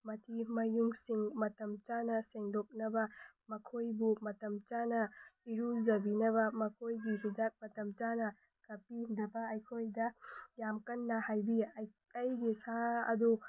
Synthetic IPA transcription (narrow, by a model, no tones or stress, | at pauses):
mɐtʰimɐjuŋsiŋmɐtɐmt͡ʃanɐseŋdok̚nɐbɐmɐkʰojbumɐtɐmt͡ʃanɐiɾuzɐbinɐβɐmɐkʰojɡiɦidat̚mɐtɐmt͡ʃanɐ | kɐpidɐbɐɐjkʰojdɐjamkɐnːɐhajbiɐ | ɐjɡisaɐ̰du